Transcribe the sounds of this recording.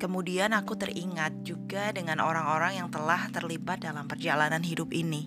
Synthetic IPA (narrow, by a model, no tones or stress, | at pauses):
kəmudianakut̪əriŋat̪̚d͡ʒuɡadəŋanoɾaŋoɾaŋjaŋt̪əlaht̪ərlibat̪̚dalampərd͡ʒalananɦidʊpini